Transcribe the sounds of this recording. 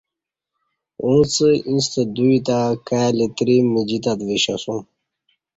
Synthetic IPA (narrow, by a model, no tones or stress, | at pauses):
ũt͡səĩnst̪əd̪uit̪akajalit̪ɾimid͡ʑit̪ad̪viɕasum